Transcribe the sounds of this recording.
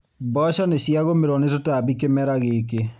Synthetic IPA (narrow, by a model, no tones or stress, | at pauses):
bɔʃaneɕjaɣomeɾɔnetotaβikemɛɾaɣeke